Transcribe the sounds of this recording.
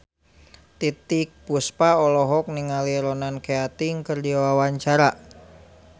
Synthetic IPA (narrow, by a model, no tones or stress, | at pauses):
t̪it̪ɪk̚buspaɔlɔɦɔk̚niŋaliɾɔnankeat̪iŋkərdiawawaɲt͡ʃaɾa